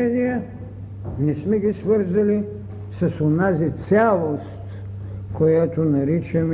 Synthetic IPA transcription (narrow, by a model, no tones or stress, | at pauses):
ɛɾijə | nɛsmɛɡisvəɾzɐli | sɐsonazit̪sʲalˠost̪ | kojat̪onɐɾit͡ʃɐm